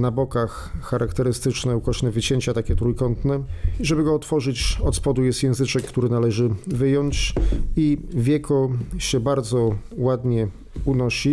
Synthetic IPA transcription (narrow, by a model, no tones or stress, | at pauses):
nabɔkaxː | aɾʔakt̪ɛɾɘst̪ɘt͡ʂnɛukɔʂnɛvɘt͡ɕeɲt͡ɕat̪akʲɛt̪ɾujkɔnt̪nɛʐɛbɘɡɔːt̪fɔʐɘt͡ɕɔt̪spɔd̪ujɛst̪jɛ̃w̃zɘt͡ʂɛkːt̪uɾɘnalɛʐɘvɘjɔɲt͡ɕivʲjɛkʰɔɕɛbaɾd̪zɔwad̪ɲɛ | unɔɕi